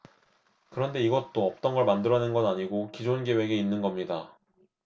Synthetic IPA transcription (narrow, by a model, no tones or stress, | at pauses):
kɯɾʌnde̞iɡʌt͈oʌp̚t͈ʌnɡʌɭmandɯɾʌnenɡʌnaɲiɡokid͡ʑonɡe̞we̞ɡe̞inːɯnɡʌmɲida